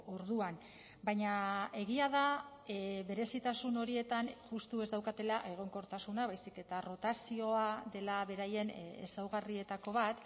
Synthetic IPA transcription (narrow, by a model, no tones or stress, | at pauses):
o̞ɾðuan | bajɲae̞ɣiaða | βe̞ɾe̞sit̪asuno̞ɾie̞t̪anʝust̪ue̞zd̪awkat̪e̞laʔe̞ɣ̞o̞ŋko̞ɾt̪asunaβajsike̞t̪aro̞t̪asio̞aðe̞laβe̞ɾaje̞nḛsawɣarie̞t̪ako̞β̞at̪